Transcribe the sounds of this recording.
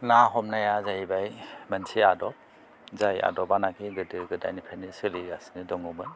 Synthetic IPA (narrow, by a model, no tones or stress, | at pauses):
naɦɔmnajazajibajmansiadɔp̚ | zaja̰dɔbanakʰiɡɯdɯɡɯda̰jnipʰanisɯliasnɯdɔŋɔmɯn